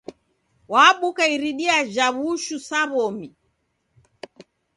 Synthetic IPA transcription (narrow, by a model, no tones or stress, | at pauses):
waɓukaiɾiɗiad͡ʒaβuʃusaβɔmi